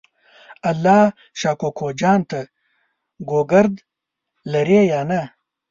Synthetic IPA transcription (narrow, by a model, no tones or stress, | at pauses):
ɐlːɑː | ʃɑːkokʰod͡ʒɑːnt̪a | ɡoɡɐɾd̪ | lɐɾejaːna